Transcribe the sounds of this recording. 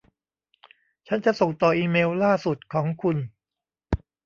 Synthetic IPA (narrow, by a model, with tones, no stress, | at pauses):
t͡ɕʰa˦˥nt͡ɕa˨˩so˨˩ŋt̪ɔː˨˩ʔiː˧meː˧wlaː˥˩su˨˩t̪̚kʰɔː˩˦ŋkʰu˧n